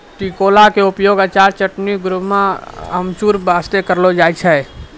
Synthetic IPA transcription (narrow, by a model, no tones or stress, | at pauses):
ʈikolakeʊpjoɡat͡ʃaːɾt͡ʃəʈniɡɾumaɦəmt͡ʃuːɾbast̪ekəɾlod͡ʒajt͡ʃʰɛ